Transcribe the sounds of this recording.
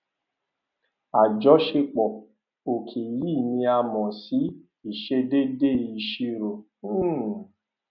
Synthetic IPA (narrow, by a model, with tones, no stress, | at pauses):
a˨d͡ʒɔ˨˦ʃe˧k͡pɔ˨ | o˨kʰe˨ji˦˨nĩ˧a˧mɔ̃˨si˨˦ | i˨ʃe˧de˦de˦˨i˧ʃi˧ɾõ˨˦